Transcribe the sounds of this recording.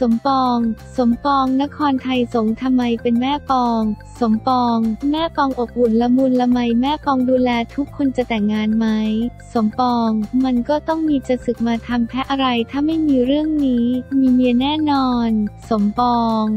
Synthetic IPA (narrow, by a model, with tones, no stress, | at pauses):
so˩˦mpɔː˧ŋso˩˦mpɔː˧ŋna˦˥kʰɔː˧nt̪ʰa˧jso˩˦ŋt̪ʰa˧mːa˧jpe˧nmɛː˥˩pɔː˧ŋ | so˩˦mpɔː˧ŋmɛː˥˩pɔː˧ŋʔo˨˩p̚ʔu˨˩nla˧˥mu˧nla˧ma˧jmɛː˥˩pɔː˧ŋduː˧lɛː˧t̪ʰu˦˥kʰːo˧nt͡ɕa˨˩t̪ɛ˨˩ŋːaː˧nma˦˥jso˩˦mpɔː˧ŋma˧nkɔː˥˩t̪ɔ˥˩ŋmiː˧t͡ɕa˧sɯ˨˩k̚maː˧t̪ʰa˧mp̪ʰɛ˦˥ʔa˧ɾa˧jt̪ʰaː˥˩ma˥˩jmiː˧ɾɯ˥˩əŋniː˦˥miː˧mi˧ənɛː˥˩nɔː˧nso˩˦mpɔː˧ŋ